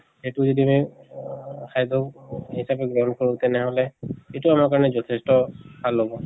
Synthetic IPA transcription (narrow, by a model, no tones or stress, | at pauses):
xetuzodimɔj | kʰajdɔkhisapɛɡɹɔɦɔnkoɹũtɛnɛɦɔlɛetʊamakaɹɔnɛzɔtʰɛstɔbʱalːobɔ